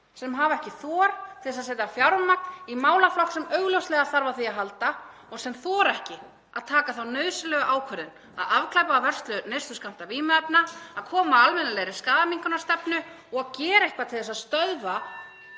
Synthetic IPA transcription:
sɛmɦaːvaɛhcɪθɔːɾt̪ʰɪlɛsaðseːjt̪afjawɾmak̚nimaːwlaflɔht̪sɛmœɥɣlœwst̪lɛɣaθaɾvaθiaɦalt̪a | ɔɣsɛmθɔːɾɛhcɪ | aðt̪ʰaːkaθawnœɥðsɪlœːɣʏʔaːwkʰœɾðɪn | a̰ðavkʰlajpaːvɛr̥st̪lʏnejst̪ʏskam̥t̪aviːmʏɛpnaːðkʰɔːmaalmɛnalejɾɪskaːðamiŋkʏnaɾst̪ɛpnʏ | ɔɣaðcɛːɾaehkvat̪ʰɪlθɛsaðst̪œðva

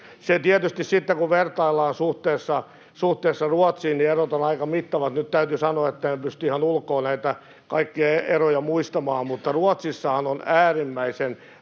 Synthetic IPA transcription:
set̪iɛt̪yst̪issit̪ːekuʋert̪ɑilːɑːnsuht̪eːsːɑ | suht̪eːsːɑruɔt̪siːnnierot̪onɑikɑmit̪ːɑʋɑt̪nyt̪t̪æyt̪ysɑnoɑet̪ːænepyst̪yihɑnulkːˑoːnæit̪æ | kɑikːiɑeerojɑmuist̪ɑmɑːmmut̪ːɑruɑt̪sisːɑhɑnonæːrimːæisen

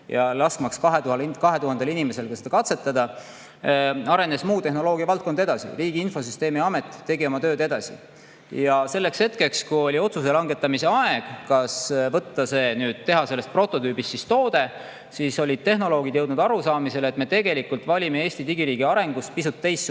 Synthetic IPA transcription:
jɑlɑskmɑkskɑɦet̪uhlkɑɦe̞t̪uɦɑnd̪̥elinimese̞lkɑsed̪ɑkɑt̪se̞t̪ːˑɑd̪ɑ | ɑɾe̞ne̞smuːt̪e̞ɦno̞lo̞ːɡ̥iɑvɑlt̪̚kond̪̥e̞d̪ɑsḭriːɡ̥iinfo̞syst̪e̞ːmiɑme̞t̪ˑːe̞ɡio̞mɑt̪ø̞ːd̪e̞d̪ɑsḭ | jɑse̞lːe̞kshe̞t̪ke̞kskujo̞lʲio̞t̪sus̬e̞lɑŋɡe̞t̪ːˑɑmise̞ɑeɡ̥kɑsvɤt̪ːɑse̞ːnyːd̪̥t̪ːe̞ɦɑselːest̪̚pro̞t̪ːˑo̞t̪yːbist̪ːsist̪o̞ːd̪e̞ | siso̞lʲid̥̪̚t̪e̞ɦno̞lo̞ːɡ̥id̪je̞wd̪nud̪ɑɾusɑːmise̞let̪me̞t̪e̞ɡ̥e̞likult̪ˑvɑlʲimee̞ːsʲt̪it̪iɡiɾiːɡ̥iɑɾe̞ŋɡ̥us̚pisut̪ːejsː

